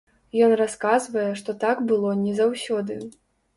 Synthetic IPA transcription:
jɔnraskazvɐjɛʂt̪ɔt̪aɡbɨlˠɔnʲɛzawsʲɔd̪ɨ

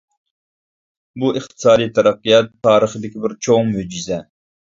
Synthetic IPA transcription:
buʔɨχt̪ʰɨ̥sɑːd̪ijt̪ʰɛɾæqːijɑt̪ʰːɑːɾəχəd̪ɪkʲibɪɾt͡ʃʰoŋmyd͡ʒizɛ

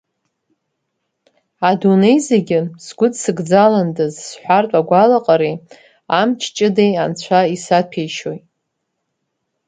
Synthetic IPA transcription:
adune̞jzeɡʲɪsɡʷʊdsɨɡd͡zalandɨzsħʷartʷʼaɡʷalaqʼaɾi | amt͡ʃʰt͡ʃʼɪdejant͡ɕʷʰaisapʰejʃo̞jtʼ

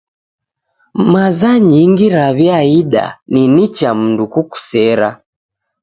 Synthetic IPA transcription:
mazaɲiŋɡiɾaβjaiɗa̰ninit͡ʃam̩ndukuku̥sɛɾa̰

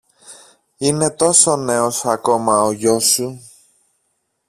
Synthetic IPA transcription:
ine̞t̪o̞so̞ne̞o̞sɐko̞mɐoʝo̞su

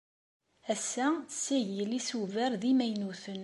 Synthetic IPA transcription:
æsːæsːæʝəlisuvəɾðimæjnuθən

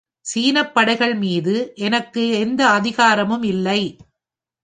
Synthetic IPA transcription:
siːnɐpːɐɽɐɪɣɐɭmiːðɯʔɛnɐkːɯɛnd̪ɐːðɪɣaːɾɐmɯmɪlːɐɪ

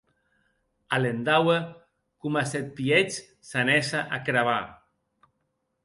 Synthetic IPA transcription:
alend̪awe | kumasɛt̪̚piet͡ʃ | sanɛsaʔakɾaβa

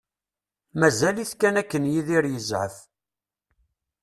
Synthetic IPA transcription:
mæzæliθkænækːənjiðiɾjəzʕə̰f

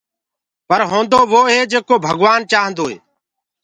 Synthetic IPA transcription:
pəɾɦõːnd̪oːʋoːɦeːd͡ʒeːkoːbʱəɡʋaːnt͡ʃaːɦə̃nd̪oːɦḛː

